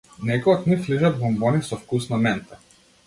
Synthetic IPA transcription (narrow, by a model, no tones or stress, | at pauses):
nɛkɔak̪nifliʒad̪bɔmbɔnisɔfkusnɔmɛnt̪ɛ